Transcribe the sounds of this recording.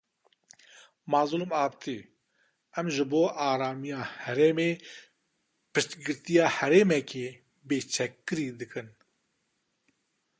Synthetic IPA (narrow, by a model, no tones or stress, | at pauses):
maːzulumɑːbt̪iː | ɛmʒɨboːʔaːɾaːmijaːhɛɾeːmeː | pɨʃt̪ɡɨɾt̪ijaːhɛɾeːmɛkʰeː | beːt͡ʃʰɛkːɨɾiːd̪ɨkɨn